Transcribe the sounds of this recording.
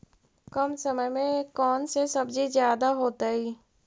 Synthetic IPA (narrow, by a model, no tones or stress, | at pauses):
kɐmsəməjmẽkɔːnsesɐbd͡ʒizjaːd̪aɦoːt̪aɦiː